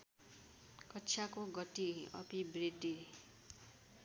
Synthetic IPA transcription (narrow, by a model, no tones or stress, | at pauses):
kʌtːt͡ʃʰakoɡʌʈiʌ̰pibɾid̪ːi